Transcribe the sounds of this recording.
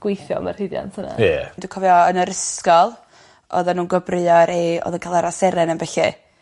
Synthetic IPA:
ɡ̥wɪjθjɔ̰marhɨðja̰ntʰhəna̰jɛdukʰɔvjɔənəɾəskɔlˠ | ɔ̰ðanuːnɡəbrɨɔɾeɔ̰ðənkʰalˠaɾasɛɾɛnənbɛɬɛ

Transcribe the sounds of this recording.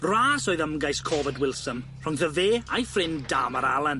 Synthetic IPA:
raːsɔːɨðəmɡajskʰɔvədwɪlˠsəm | r̥ʊŋðəveːajfrɪnda̰ːmaɾalˠən

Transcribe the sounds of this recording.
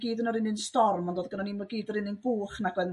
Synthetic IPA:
ɡ̥iːdənɔɾɪnɪnstɔrmɔndoːðɡənaniːmaɡiːdɔɾɪnɪnbuːχnaɡwɛn

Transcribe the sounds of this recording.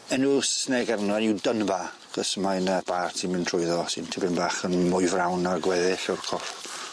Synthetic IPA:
ɛnusnɛɡarnaniwdənba | ɡ̥əsmajnəb̥aːrtʰimɪntʰrʊjðɔsɪntʰɪbɪnbaːχənmʊɨvrawnaɡwɛðɪɬɔrkʰɔr

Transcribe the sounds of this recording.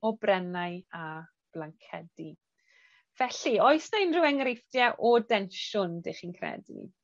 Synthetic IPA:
ɔbrɛnaja | b̥laŋkʰɛdi | v̥ɛɬioɨsnaɪnrɪwɛŋrɪfdjɛʔɔdɛnʃʊndeχinkʰrɛ̰dḭ

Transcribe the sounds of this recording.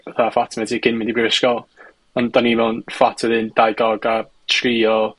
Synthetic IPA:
ɛθafatʰmɛdiɡ̥ʰɪnmɪndibrɪwɪskɔlˠ | ɔndanivɛwnfatʰɛðɨndajɡɔɡa | tʰriːɔ

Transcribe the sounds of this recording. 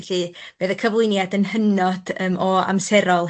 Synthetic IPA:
ɬib̥eːðəkʰəvlˠʊjnjadənhənɔd̥əːmɔa̰msɛɾɔlˠ

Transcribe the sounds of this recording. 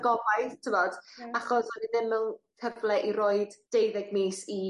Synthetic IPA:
ɡɔvaɨðtʰəvɔd̥aχɔsɔniðɪməŋkʰəvlɛʔiɾoːɨdd̥ejðɛɡ̚miːsi

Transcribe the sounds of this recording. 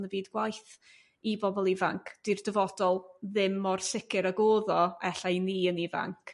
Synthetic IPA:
nəviːdɡwajθ | ibɔbɔlˠivaŋkʰd̥irdəvɔdɔlˠðɪmɔrsɪkʰɪɾaɡoːðɔɛɬajniːəniva̰ŋkʰ

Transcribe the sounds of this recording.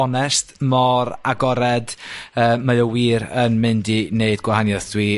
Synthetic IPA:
ɔnɛstmɔɾaɡɔɾɛdəːmajɔwiːɾənmɪndineɨdɡwahanjɔθd̥wiː

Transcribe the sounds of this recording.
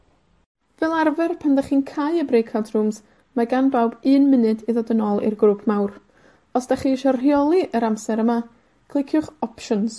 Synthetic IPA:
vɛlˠarvɛrpʰandaχiːnkʰajəbrejkʰadrums | maɡanbawbɨːnmɪnɨdiðɔdənɔlˠḭrɡruːpʰmawr | ɔsd̥aχiːʃɔrrjɔlˠiʔəɾamsɛɾəma | kʰlˠɪkʰjʊχɔpʃɔns

